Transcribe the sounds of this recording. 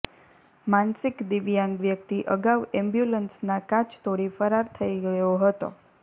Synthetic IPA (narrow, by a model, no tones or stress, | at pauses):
mãnsɪkd̪iʋjãŋɡʋjək̚t̪iʔəɡaʋɛmbjulənsnakãt͡ʃt̪oɽifəɾaɾt̪ʰəiɡəjoɦət̪o̰